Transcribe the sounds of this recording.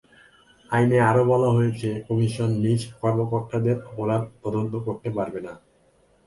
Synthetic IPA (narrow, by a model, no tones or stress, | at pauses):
ajneaɾobɔlaɦojet͡ɕʰekɔmiʃonːiʃkɔɾmokoɾt̪ʰːad̪eɾoɾaɾt̪ɔd̪ont̪okoɾt̪epaɾbena